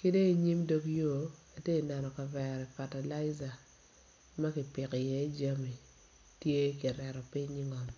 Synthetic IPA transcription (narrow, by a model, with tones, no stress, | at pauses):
ki˦de˦i˨ɲi˦mdo˦kjo˦˨a˨te˦i˨nɛ˨nɔ˨ka˨vɛ˨ɾi˨fa˨ta˨la˦ɪ˦za˨ | ma˦kɪ˨pɪ˨kɪ˨je˦d͡ʒa˦mi˨ | tje˦ki˨ɾɛ˨ɾɔ˨pi˦ɲi˦ŋɔ˨m